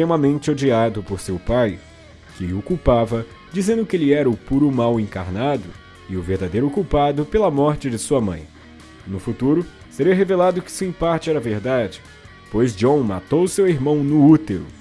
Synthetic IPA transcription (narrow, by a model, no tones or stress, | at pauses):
t̪ɾem̃ɐmẽnt͡ʃɪod͡ʒiad̪ʊpoɾsewpaj | kɪokuwpavɐ | d͡ʒizẽnd̪ʊkɪelɪɛɾɐʊpuɾʊmawẽŋkaɾnad̪ʊ | ɪʊveɾd̪ad̪ejɾʊokuwpad̪ʊpelɐmɔɾt͡ʃɪd͡ʒɪsuɐmɐ̰̃j̃ | nʊfut̪uɾʊ | seɾiɐɦevelad̪ʊkɪ̥sɪĩpaɾt͡ʃɪɛɾɐveɾd̪ad͡ʒɪ̥ | pojzd͡ʒõw̃ma̰t̪owseweɾmɐ̃w̃nʊut̪eɾʊ̰